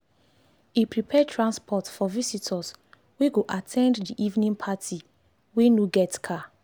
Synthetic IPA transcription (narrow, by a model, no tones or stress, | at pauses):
ipɹipʰɛtʰɹãnspʰɔtfɔvisitʰas | weɡoʔatʰɛ̃nddiʔivnĩnpʰatʰi | wenoɡɛtkʰa